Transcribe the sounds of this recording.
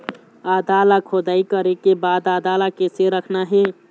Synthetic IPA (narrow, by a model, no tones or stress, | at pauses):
aːd̪aːlakʰod̪aːikəɾekebaːd̪aːd̪aːlakeseɾəkʰnaɦɛː